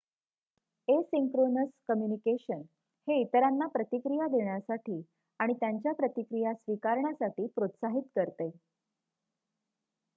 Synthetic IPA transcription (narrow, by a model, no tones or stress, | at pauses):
esiŋkɾonəskəmjunikeɕən | heit̪ɾanːapɾət̪ikɾijad̪eɳjasaʈʰiː | aɽ̃it̪jaɲt͡ɕjapɾət̪ikɾijasʋikaɾɳjasaʈiːpɾot̪saɦit̪kəɾt̪ej